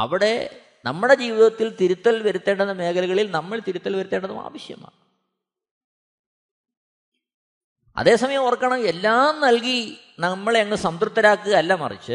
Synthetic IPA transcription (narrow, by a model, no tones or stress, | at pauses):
ɐ̰ʋiɽe̞ | nɐmːuɽe̞d͡ʑiːʋiðɐt̪ːilt̪iɾut̪ːɐlʋɐɾut̪ːe̞ːɳɖɐnːɐme̞ːkɐluɣɐɭilnɐmːɐɭt̪iɾut̪ːɐlʋɐɾut̪ːe̞ːɳɖɐðuma̰ːʋɐɕjɐ̰ma̰ːɳɨ | ɐ̰ðe̞ːsɐmɐjɐmurɐkːɐɳɐmelːaːmnɐlki | nɐmːɐɭeŋːɐɭsɐmt̪rut̪ːɐɾaːkːɨɐlːɐmɐ̰rḭt͡ɕːɨ